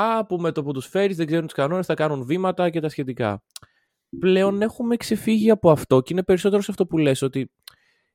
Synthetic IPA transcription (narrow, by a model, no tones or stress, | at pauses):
ɐpume̞t̪opot̪usfe̞ɾizðe̞ɡze̞ɾunt̪i̥skɐno̞ne̞sθɐkɐnunvimɐt̪ɐcet̪ɐsçe̞t̪ikɐ̰ | ple̞o̞ne̞xume̞kse̞fiʝiɐpo̞ɐft̪o̞ceine̞pe̞ɾiso̞t̪e̞ɾo̞sɐft̪o̞pule̞so̞t̪i